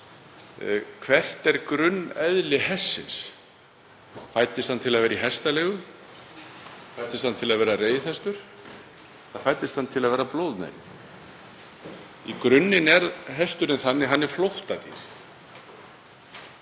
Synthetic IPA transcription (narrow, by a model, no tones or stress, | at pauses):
kʰvɛr̥t̪ɛɾkɾʏnːɛðlɪɦɛsːɪ̰ns | fajt̪ɪst̪ant̪ʰɪlaðvɛːɾiɦɛst̪alɛːɣʏ | fajt̪ɪst̪hant̪ʰɪlaðvɛːɾareːjθɛst̪ʏɾ̥ | θafajt̪ɪst̪hant̪ʰɪlaðvɛːɾaploːwðnḛj | ikɾʏnːɪnɛɾɦɛst̪ʏɾɪnθanːɪɦanːɛɾ̥flowht̪at̪ḭɾ̥